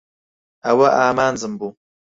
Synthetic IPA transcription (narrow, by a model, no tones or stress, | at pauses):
awaʔaːmaːn̩zɨmbu